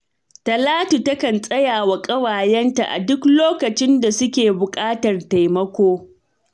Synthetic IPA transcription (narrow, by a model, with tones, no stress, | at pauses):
tɐ˨laː˦tu˨tɐ˦kɐ˨nsʼɐ˦jaː˨wa˨kʼɐ˦waː˨jɛ˦nta˨ʔa̰˨dʊ˦kloː˦kɐ˨t͡ʃɪ˦nda˨sʊ˦kʲeː˨bʊ˨kʼaː˦tɐ˨rta˨jmɐ˦kʷoː˦